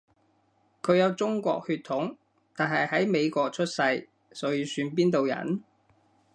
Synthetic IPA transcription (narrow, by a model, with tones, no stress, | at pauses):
kʰɵ˨˧ɥjɐ˨˧wt͡sʊ˥ŋkʷɔ̰ː˧k̚hyː˧t̪ʰʊ˨˥ŋ | t̪aː˨nɦɐ˨jhɐ˨˥jme˨˧jkʷɔː˧k̚t͡ʃʰɵ˥t̚sɐ˧j | sɔː˨˥jiː˨˧syː˧np̬iː˥nt̪o˨wjɐ̰˨˩n